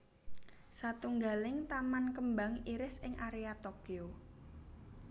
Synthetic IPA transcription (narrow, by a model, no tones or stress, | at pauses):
sat̪uŋɡalɪŋt̪amankəmba̤ŋiɾɪsɪŋʔaɾeat̪okio